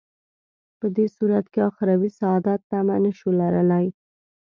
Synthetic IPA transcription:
pəd̪esuɾat̪keɑxɾɑwisɑɑd̪ɑt̪ːamanəʃolaɾəlaj

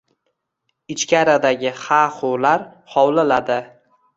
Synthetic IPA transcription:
ɪt͡ʃkʲʰaɾad̪aɡʲɪhaχʊlaɾ | hɒwlɪlad̪ɪ

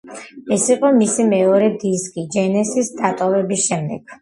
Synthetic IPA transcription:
ɛsiqʼɔmisimɛɔɾɛd̪iskʼid͡ʒɛnɛsisd̪at̪ʼɔvɛbisʃɛmd̪ɛ̰ɡ̥

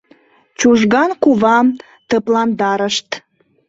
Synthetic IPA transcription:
t͡ɕuʒɣɑnkuβɑm | t̪əplɑnd̪ɑɾəʃt̪

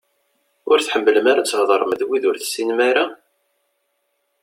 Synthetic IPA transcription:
ʊɾθħəmːələmaɾat͡sːhðˤəɾˤməðwiðʊɾθə̥sːinmaɾa

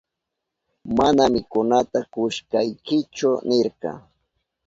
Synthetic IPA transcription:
manamɪkʊnat̪akʊʃkajkɪt͡ʃʊnɪɾqɑ̰

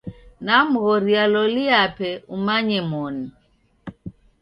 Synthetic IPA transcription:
nam̩ɣɔɾialɔliapɛumaɲɛmɔni

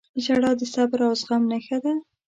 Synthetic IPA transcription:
əd͡ʒaɽɑd̪əsabɾawzɣamnexad̪a

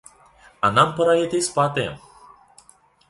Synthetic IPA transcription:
anampəɾajet̪espat̪e

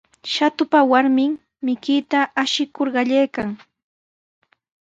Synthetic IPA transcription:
ʃat̪ʊpawaɾmɪm | mɪkɪːt̪aʔaʃɪkoɾɢɑʎajkaŋ

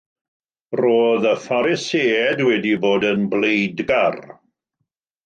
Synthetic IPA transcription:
roːðəfaɾɪseːɛdwɛdiboːdənblejdɡar

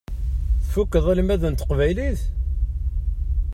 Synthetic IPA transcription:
θfukːəðˤælimæðənt̪ə̥qvæjliθ

